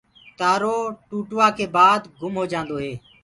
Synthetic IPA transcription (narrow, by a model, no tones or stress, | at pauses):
t̪aːɾoːʈuːʈʊʋaːkʰeːbaːd̪ɡʱʊmɦoːd͡ʒãːnd̪oːɦeː